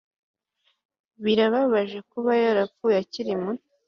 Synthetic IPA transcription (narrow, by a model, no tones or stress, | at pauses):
βiɾaβaβaʒe̞kuβajaɾapfuːjaciɾimun